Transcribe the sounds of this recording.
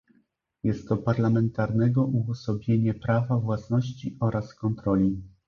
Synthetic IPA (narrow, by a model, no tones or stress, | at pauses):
jɛst̪ːɔpaɾlamɛnt̪aɾnɛɡɔʔuɡɔsɔbʲjeɲɛpɾavavwasnɔɕt͡ɕiʔɔɾaskɔnt̪ɾɔlʲi